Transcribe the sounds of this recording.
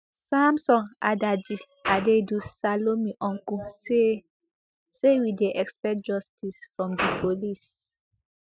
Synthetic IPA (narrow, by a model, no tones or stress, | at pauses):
samsɔ̃nadad͡ʒi | adedusalomiʔɔ̃ŋkuse | sewideʔɛkspɛt̚d͡ʒɔstisfɹɔ̃mdipʰolis